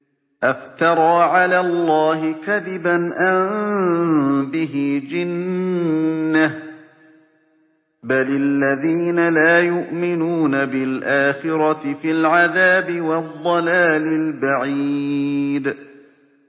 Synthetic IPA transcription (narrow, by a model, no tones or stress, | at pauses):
ʔaft̪ɑɾˤɑːʕalaːlˤːɑːɦɪkaðɪbanʔam | bɪɦɪd͡ʒɪnː | ah | balɪlːaðiːnalaːjʊʔmɪnuːnabɪlʔaːxɪɾɑɪfɪlʕaðaːbɪwɑðˤːɑlaːlɪlbaʕi | d̪